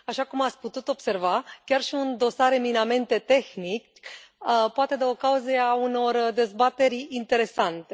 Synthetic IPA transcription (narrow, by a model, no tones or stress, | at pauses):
aʃakumat̪sʲput̪ut̪o̞b̥se̞rvakʲarʃiund̪o̞saɾeminame̞nt̪e̞t̪e̞xnik | poat̪e̞d̪eo̞kauzeauno̞rd̪e̞zbat̪e̞ɾʲint̪e̞ɾe̞sant̪e